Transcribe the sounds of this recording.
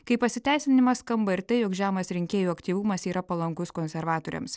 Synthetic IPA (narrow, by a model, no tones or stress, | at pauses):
kɐɪpɐsʲɪt̪ʲæˑɪsʲɪnʲɪmɐskɐmbɐɪɾt̪ɐɪjoːkʒʲæːmɐsɾʲɪŋʲkʲeːjuːɐkt̪ʲiːʋumɐsiːɾɐpɐlˠɐŋkʊskoːnʲsʲɛɾʋɑːt̪oːɾʲɛ̰ms